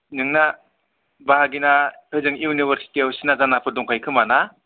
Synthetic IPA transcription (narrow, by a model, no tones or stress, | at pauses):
nɯŋna | baɦaɡinahɯzɯŋiunibʱəɾsi̥tiawsinazanapʰɯdɔŋkʰajkʰɯmana